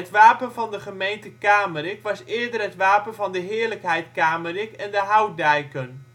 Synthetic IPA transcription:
ətʋaːpənvɑndəχəmejntəkaːməɾɪkʋɑsɪːɹdərɦətʋaːpənvɑndəɦɪːɹləkɦɛjtkaːmərɪkɛndəɦawdɛjkən

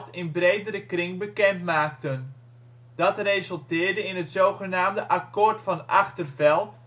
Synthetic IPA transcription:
tɪnbrejdəɾəkrɪŋbəkɛntmaːk̚tən | d̥ɑtrezəlˠtɪːɹdəɪnɦətsowχənaːmdəʔakoːrtfɑnɑχtərvɛlˠt

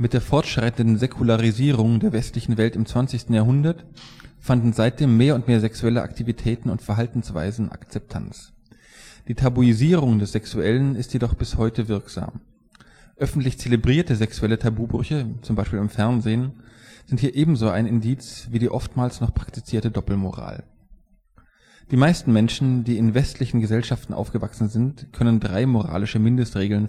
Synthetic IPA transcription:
mɪt̚d̥eːɐfɔɐtʃʁ̥aɪtn̩dn̩zekʰulaʁiziːʁ̞ʊŋdeːɐvɛstlɪçn̩vɛltɪmt͡sv̥ant͡sɪçstn̩jaːɦʊndɐtfandn̩zaɪt̚d̥eːmːeːɐʊntmeːɐzɛksuɛləʔa̰ktʰivitʰɛːtn̩ʊ̰ntfɛɐɦaltn̩sv̥a̰ɪzn̩ʔa̰kt͡sɛp̚tʰa̰nt͡s | d̥iːtʰabuiziːʁʊŋdɛsz̥ɛksuɛlənɪstjedɔχb̥ɪshɔʏtəvɪɐkz̥a̰ːm | ʔœfn̩tlɪçt͡selebʁiːɐtəzɛksuɛlətʰabuːbʁʏçət͡sʊmbaɪʃpiːlɪmfɛɐnzeːnz̥ɪnthiːɐʔeːbm̩zoːaɪnɪndiːt͡sv̥iːdiːʔɔftmaːlsnɔχpʁ̥aktit͡siːɐtədɔpl̩mo̰ʁa̰ːl | d̥iːmaɪstn̩mɛnʃn̩diːɪnvɛstʰlɪçn̩ɡəzɛlʃaftn̩ʔa̰ʊfɡ̥əvaksn̩zɪntkʰœnəndʁaɪmoʁ̞a̰ːlɪʃəmɪndəstʁeːɡl̩n

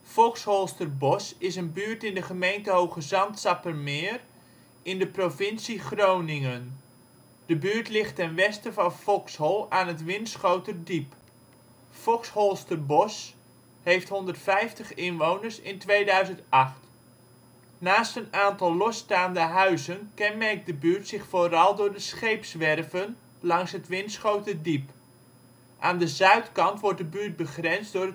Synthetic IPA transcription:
fɔkshɔlˠstərbɔsɪsənbyːɹtɪndəχəmejntəɦowχəzɑntsɑpərmɪːr | ɪndəprofɪnsiχrownɪŋən | d̥əbyːɹtlɪχtɛnʋɛstəvɑnfɔkshɔlˠaːnətʋɪnsχowtərdip | fɔkshɔlˠstərbɔs | hejftɦɔndərtfɛjftəχɪnʋownərsɪ̰ntʋejdœɥzəntɑχt | naːstənaːntɑlˠlɔstaːndəɦœɥzənkɛnmɛrk̚dəbyːrtsɪχfoːrɑlˠdʊːɹdəsχejpsʋɛrvən | lɑŋsɦətʋɪntsχowtədip | ʔaːndəzœɥtkɑntʋɔrt̚dəbyːrt̚bəχrɛnzdʊːrə

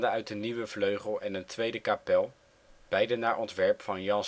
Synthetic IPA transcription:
dəœɥt̚dəniʋəv̥løɥχəlˠɛnəntʋejdəkapɛlˠ | b̥ɛjdənaːɹʔɔntʋɛɹpfɑnjɑn

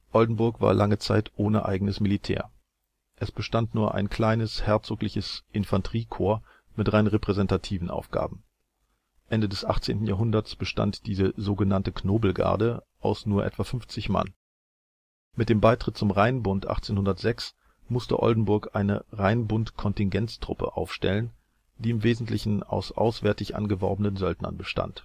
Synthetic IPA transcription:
ʔɔldn̩bʊɐkv̥a̰ːɐlʔaŋət͡saɪtʔoːnəʔa̰ɪɡŋn̩əsmilitʰɛ̰ːɐ | ʔɛsb̥əʃtantnuːɐʔa̰ɪnkl̥aɪnəshɛɐt͡soːklɪçəsʔɪnfantʁ̥iːkʰoːɐ | mɪtʁaɪnʁepʁ̥ɛzɛntatʰiːvn̩ʔa̰ʊfɡ̥a̰ːbm̩ | ʔɛndədɛsʔaχt͡sḛːntn̩jaːɦʊndɐt͡sb̥əʃta̰ntd̥iːzəzoːɡənantəkʰnoːbl̩ɡa̰ɐdə | ʔaʊsnuːɐʔɛ̰tv̥afʏɱft͡sɪçma̰n | mɪt̚d̥eːmbaɪtʁ̥ɪt̚t͡sʊmʁaɪnbʊntʔa̰χt͡seːnhʊndɐtz̥ɛks | mʊstə̰ʔɔ̰ldn̩bʊɐkʔaɪnəʁaɪnbʊntkʰɔntɪnɡɛnt͡stʁ̥ʊ̰pə̰ʔa̰ʊfʃtɛ̰lən | d̥iːɪmveːzn̩tʰlɪçn̩a̰ʊsʔa̰ʊsv̥ɛːɐtɪçʔa̰nɡəvɔɐbənənzœltnɐ̰nbəʃta̰nt

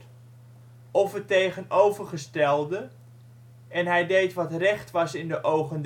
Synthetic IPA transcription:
ɔfətejχənowvərχəstɛlˠdə | ɛnɦɛjdejtʋɑtrɛχtʋɑsɪndəʔowχənd

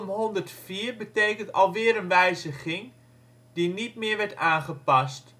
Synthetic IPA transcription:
mɦɔndərtfiːrbəteːkəntɑ̰lˠʋɪːɾənʋɛjzəɣɪŋ | d̥initmɪəɹʋɛɹtaːnχəpɑst

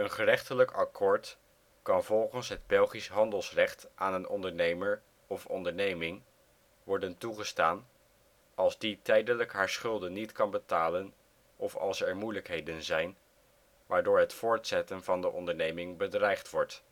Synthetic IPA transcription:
ənχərɛχtələkɑkʰoːɹt | kɑnvɔlˠχənsɦəd̚bɛlˠχisɦɑndəlˠsrɛχtʔaːnənɔndəɹnejməɹ | ɔfɔ̰ndəɹnejmɪŋ | ʋɔɹdəntuχəstaːn | ɑlˠzditɛjdələkɦaːɹsχɵlˠdənitkɑnbətaːlən | ʔɔfɑ̰lˠsɛɹmujləkɦejdənzɛjn | ʋaːɹdʊːɹɦətfʊːɹtsɛtənvɑndəʔɔndəɹnejmɪŋbədrɛjχtʋɔɹt

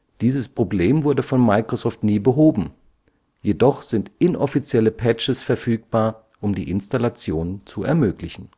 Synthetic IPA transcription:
d̥iːzəspʁ̥obleːmvʊɐdəfɔnmaɪkʁ̥ozɔːftniːbəɦoːbm̩ | jedɔχz̥ɪntʔɪnʔɔfit͡sjɛləpʰɛt͡ʃəsfɛɐfyːk̚b̥aːɐ | ʔʊmdḭːʔɪnstalat͡sjoːnənt͡suɛ̰ɐmøːklɪçn̩

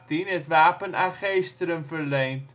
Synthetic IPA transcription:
tinətʋaːpənaχejstəɾəmfərlejnt

